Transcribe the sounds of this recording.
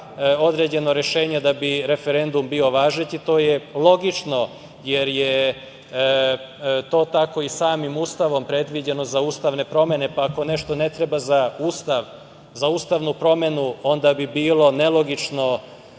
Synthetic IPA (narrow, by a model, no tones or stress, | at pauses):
o̞d̪ɾe̞d͡ʑe̞no̞ɾe̞ʃe̞ːɲed̪abiɾe̞feɾe̞nd̪umbio̞ʋaːʒet̪it̪o̞ːjelˠo̞ɡit͡ʃno̞ | jeɾje | t̪o̞ːt̪ako̞isaːmimuːst̪aʋo̞mpɾe̞d̪ʋid͡ʑeno̞zauːst̪aʋne̞pɾo̞me̞ne̞paːko̞ne̞ʃt̪o̞ne̞t̪ɾe̞bazaust̪aʋ | zauːst̪aʋnupɾo̞me̞nuo̞nd̪abibiːlo̞ne̞lo̞ɡit͡ʃno̞